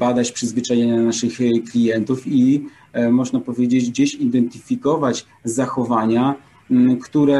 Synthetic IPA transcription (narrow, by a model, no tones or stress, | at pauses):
bad̪at͡ɕpʂɘzvɘt͡ʂajɛɲanaʂɘxklʲijɛnt̪ufi | mɔʐnapɔvʲjed͡ʑed͡ʑd͡ʑeɕid̪ɛnt̪ɘ̥fʲikɔvat͡ɕ | zaxɔvaɲa | kt̪uɾɛ